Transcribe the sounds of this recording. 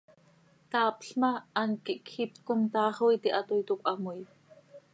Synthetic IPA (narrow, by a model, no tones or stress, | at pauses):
t̪ɑːpɬmɑːnkiʔkʰxipkomt̪ɑːχojt̪iʔɑt̪ujt̪ukʔɑmuj